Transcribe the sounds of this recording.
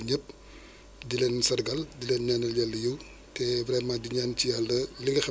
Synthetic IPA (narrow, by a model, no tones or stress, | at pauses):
ɲəp̚ | dilɛnsɐrɡɐldilɛːnɲaːnɐljalːɐjuw | tɛvɾɛmaːdiɲaːncijalːɐliŋɡɐxɛ